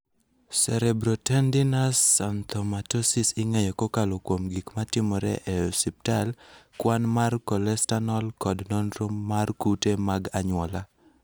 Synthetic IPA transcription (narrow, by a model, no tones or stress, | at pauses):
sɛɾɛbɾotɛndɪnasant̪ʰɔmatɔsisɪŋejɔkokalokwomɡikmatɪmɔɾɛ̰ʔɛɔsip̚talkwanmarkɔlɛstanɔlkɔdnɔnɾomarkutemaɡaɲwɔla